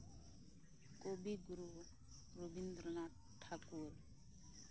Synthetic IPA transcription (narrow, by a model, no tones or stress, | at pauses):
kobiɡuɾu | ɾobind̪ɾəna | ʈʰːaːkuːɾ